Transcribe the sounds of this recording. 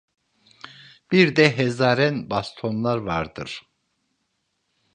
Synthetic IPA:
b̥iɾd̪ɛɦɛzaːɾɛnbast̪ʰo̞nlˠaɾvaɾd̪ɯ̰ɾ̥

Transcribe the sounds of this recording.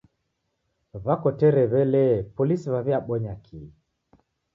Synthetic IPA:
βakɔtɛɾɛβɛlɛpɔlisiβaβjaɓɔɲakʰi

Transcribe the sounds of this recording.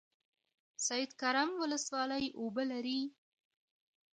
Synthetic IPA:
sajɪd̪kaɾamwʊləswɑləjobəlaɾi

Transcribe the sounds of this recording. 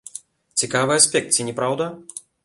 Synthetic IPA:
t͡sʲikavɨasʲpʲɛk̚t̪̚t͡sʲinʲɛpɾawd̪ɐ

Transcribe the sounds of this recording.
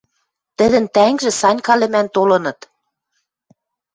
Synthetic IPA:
t̪ə̆d̪ɘ̆nt̪æŋʒĕsɑnʲkɑlɘ̆mænt̪olɤ̆nɤ̆t̪

